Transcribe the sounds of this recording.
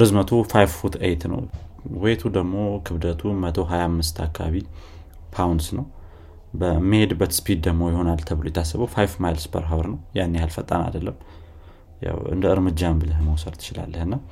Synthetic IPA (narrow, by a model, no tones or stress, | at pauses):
əzmət̪ʰofajffut̪ʰejt̪nə̰wwejt̪ʰud̪əɡmo̞kʰɨβd̪ət̪ʰumət̪ʰo̞ɦajamːɨst̪ʰakʰːaβaβi | pʰawnd̪snəw | bəmːihe̞d̪ɨbːət̪spʰid̪̚d̪əɡmo̞jɪho̞nalt̪ʰəβɨlojɛt̪ʰːasːəβəwfajfmajlspʰə̰ɾɦawɾnəwjanːehalfət̪ʼːa̰na̰d̪əlːəm | ja̰wɨ̰nd̪əɨɾmɨd͡ʒːambɨləɦməwsəɾt̪ʰɨ̥t͡ʃɪla̰lːəhɨnːa